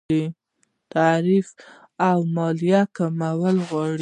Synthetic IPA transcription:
i | t̪aɾif | awmɑlijakamawəlɣwɑɽ

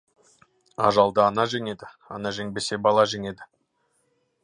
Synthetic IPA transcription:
ɑ̰ʒɑlˠd̪əɑnɑʒeŋe̞d̪ɪ | ɑnɑʒeŋbe̞se̞bɑlˠɑʒeŋe̞d̪ɪ

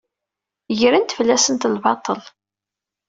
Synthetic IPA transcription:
ʝəɾənt̪flːæsənt̪lbɑt̪ˤːəl

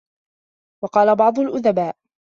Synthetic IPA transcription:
wɑqɑːlabɑʕd̪ˤʊlʔʊðabaːʔ

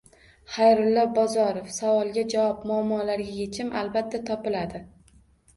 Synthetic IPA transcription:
χajɾʊlˠːɒbɒzɒɾofsavɒlˠɡʲad͡ʒawɒp̚mʊːmːɒlaɾɡʲajet͡ʃʰɪmʔa̰lbat̪ʰːat̪ʰɒpɪlad̪ɪ

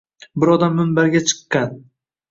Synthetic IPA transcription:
bɪɾɒd̪amːɪnbaɾɡʲat͡ʃʰɨ̥qːɑn

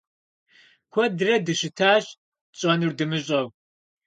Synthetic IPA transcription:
kʷʰɔdrɐdɨʃɨtʰaːɕ | ɕʼɐnurdɨmɨɕʼɐw

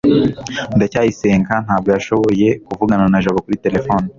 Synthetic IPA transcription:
ndacaːjise̞ːŋkan̥haːb̚ɡo̞jaʃo̞βo̞je̞kuvuɡananaʒoβokuɾite̞ɾe̞fo̞ːni

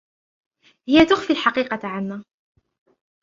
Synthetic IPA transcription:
hɪjːat̪ʊxfilħɑqiːqɑʕanːaː

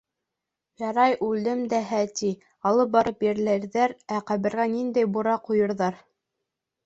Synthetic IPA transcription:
jɑɾɑjʔʉld̪ɘmd̪æɦæt̪i | ɑlˠɤp̚bɑɾɤpjɘ̆ɾlæɾðæɾæqæβɘ̆ɾɣænind̪æjbuɾɑqujɤ̆ɾðɑɾ

